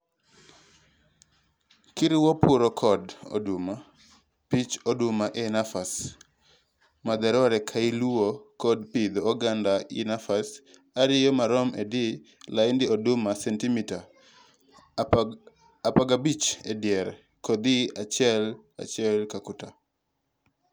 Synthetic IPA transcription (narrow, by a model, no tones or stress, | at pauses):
kiɾɪwɔpʊɾɔkʰɔdo̰duma | pit͡ʃodumaʔɛnafas | mad̪ɛɾɔɾɛkʰailuokɔdpid̪ɔːɡandaɪnafas | aɾɪjɔmaɾɔmɛdɪ | laɪndɪodʊmasɛntimita | apaɡabit͡ʃedjɛɾ | kɔd̪iat͡ʃɪɛl | a̰t͡ʃɪɛlkakʊta